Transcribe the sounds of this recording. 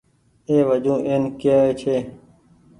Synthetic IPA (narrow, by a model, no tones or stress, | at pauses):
eːʋəd͡ʒũːʔeːnkeːeːt͡ʃʰeː